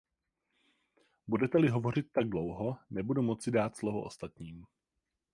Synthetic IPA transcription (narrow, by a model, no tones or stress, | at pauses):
budɛt̪ɛlɪɦo̞vo̞r̝ɪt̪ːaɡ̚dlowɦo̞nɛbudumo̞t͡sɪdaːt̪slovuʔost̪at̪ɲiːm